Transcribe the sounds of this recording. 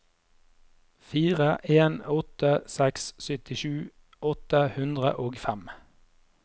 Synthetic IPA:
fiːʁəʔeːnɔt̪əsɛkssʏt̪ɪʃʉː | ɔt̪əhʉnd̪ʁə̰ʔoːɡfæm

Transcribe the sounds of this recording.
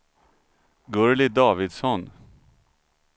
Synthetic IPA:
ɡɵɹlɪd̪ɑːvɪd̪sɔn

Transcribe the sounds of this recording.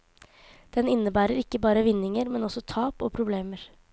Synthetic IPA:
d̪̥ɛnɪnːəbæːɾəɾɪkːəbɑːɾəʋɪnːɪŋəɾmɛnɔsɔt̪ʰɑːpo̰ːpʰɾʊbleːməɾ

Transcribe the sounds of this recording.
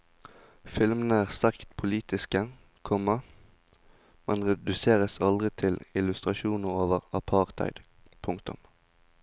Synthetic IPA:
fɪlmənəæːʁst̪æʁkt̪pʰʊliːt̪ɪskə | kʰɔmːə | mɛnʁɛd̪ʉseːʁəsɑld̪ʁɪt̪ʰɪlɪlʉst̪ʁɑʃuːnəʁoːʋəʁɑpʰɑʁt̪ʰæ̰ɪd̪ | pʰʊŋkt̪ʊ̰m

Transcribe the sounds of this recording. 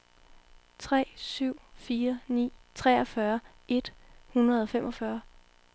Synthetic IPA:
t͡sʰʁɛ̰ːsyʊ̰fiːɐnḭːt͡sʰʁɛɒfɶɐ | ʔe̝d̥hunʁɐðˠɒ̽femʔɒ̽fɶɐ

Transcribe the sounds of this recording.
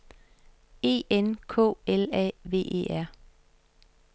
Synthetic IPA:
e̝̰ːenkʰɔ̰ːelɛ̰ʋe̝̰ːʔḛːæɐ̰

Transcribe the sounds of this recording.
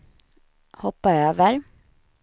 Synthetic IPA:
hɔpːaøːvəɾ

